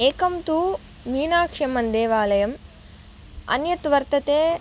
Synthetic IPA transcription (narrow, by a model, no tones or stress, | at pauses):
eːkɐmt̪u | miːnaːkʂɐmɐnd̪eːʋaːlɐjɐm | ɐ̰njɐt̪ʋɐɾt̪ɐt̪eː